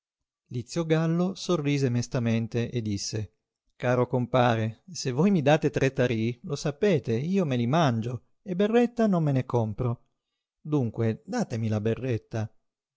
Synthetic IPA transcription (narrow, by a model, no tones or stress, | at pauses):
lit̪sːjoɡalːosorːiːzemest̪ament̪eʔed̪ːisːe | kaːɾokompaːɾesevːojmid̪aːt̪et̪ɾet̪ːaɾilosapeːt̪eiːomelimand͡ʒo | eberːɛt̪ːanomːenekompɾo | d̪uŋkwed̪aːt̪emilaberːet̪ːa